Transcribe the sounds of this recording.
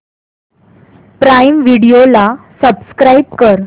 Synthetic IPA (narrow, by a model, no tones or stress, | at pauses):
pɾajmʋiɽijolasəbskɾaib̚kəɾ